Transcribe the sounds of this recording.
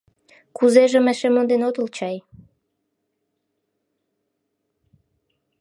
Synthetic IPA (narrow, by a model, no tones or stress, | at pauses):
kuzeʒə̆mæʃemond̪enot̪ult͡ɕɑj